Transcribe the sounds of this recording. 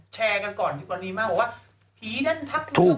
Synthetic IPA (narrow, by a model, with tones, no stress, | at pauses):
t͡ɕʰɛː˧ka˧nkɔː˨˩nt̪ʰi˧˩wa˧nːiː˦˥maː˦˥˩k̚bɔ˨˩waː˥˩ | pʰiː˨˦na˦˥˨nt̪ʰa˦˥p̚t̪ʰuː˨˩